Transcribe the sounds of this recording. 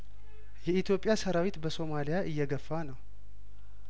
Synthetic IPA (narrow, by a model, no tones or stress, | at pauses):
jɛit̪ʰjo̞pʼːɪjasəɾawit̪bəso̞malijaʔɨjːɛɡəfːanəw